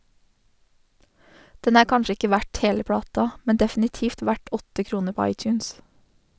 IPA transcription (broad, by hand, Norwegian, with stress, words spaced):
ˈdɛn ˈæː ˈkɑnʃə ˈɪkə ˈʋæʈ ˈheːlə ˈpɽɑːtɑ ˈmɛn dɛfn̩ɪˈtiːft ˈʋæʈ ˈɔtə ˈkɾuːnə ˈpɔ ˈɑɪˌtjʉːns